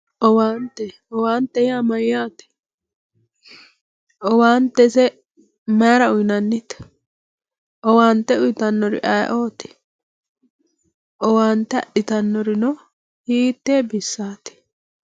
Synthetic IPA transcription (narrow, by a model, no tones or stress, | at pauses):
ʔɔwaːnt̪ːɛ | ɔwaːnt̪ːɛjaːmɐjːaːt̪ɛ̥ | ʔɔwaːnt̪ːɛsɛ | mɐːɾɐʊjnɐnːɪt̪ | ʔɔwaːnt̪ːɛʊjt̪ɐnːɔɾɪ̰ʔɐjʔoːt̪ɪ̥ | ʔɔwaːnt̪ːɛɐ̰ɗɪt̪ɐnːɔɾɪnɔ | hiːt̪ːeːbɪsːaːt̪ɪ̥